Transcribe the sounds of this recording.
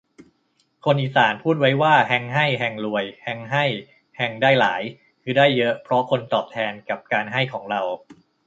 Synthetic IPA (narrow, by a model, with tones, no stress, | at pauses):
kʰo˧nʔiː˨˩saː˩˦npʰuː˥˩t̪̚wa˦˥jwaː˥˩ɦɛ˦˥ŋɦa˥˩jɦɛ˧ŋlu˧˩əjhɛ˧ŋɦa˥˩j | hɛ˧ŋdaː˥˩jlaː˩˦j | kʰɯː˧daː˥˩jːɤ˦˥ʔpʰɾɔ˦˥kʰo˧nt̪ɔː˨˩p̚t̪ʰɛː˧nka˨˩p̚kaː˧nɦa˥˩jkʰɔː˩˦ŋɾa˧w